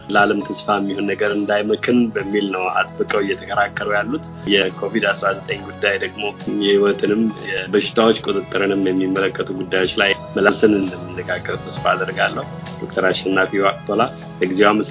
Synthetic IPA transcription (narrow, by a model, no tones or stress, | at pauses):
laləmt̪ʰəsfamːihonːəɡəɾɨnd̪ajməkʰɨnbəmːilnəwa̰t̪ʼbəkʼəwɪjːɛt̪ʰəkʰəɾakːəɾəwjalːut̪ | jɛkʰo̞vid̪asɾazət̪ʼəɲɡud̪ːajd̪əɡmo̞jɛhiwɔt̪ʰɨnɨmjɛbəʃɪ̥t̪ʰawot͡ʃːkʼot̪ʼɨt̪ʼːɨɾɨnɨmjɛmːimːələkːət̪ʰuɡud̪ːajo̞t͡ʃːlaj | məlalsənɨnd̪əmːɨnːəɡaɡːəɾt̪ʰəsfaːd̪əɾɡalːəhu | d̥̪okt̪ʰəɾaʃːɛnːafiwakt̪ʰola | bəɡizewaməs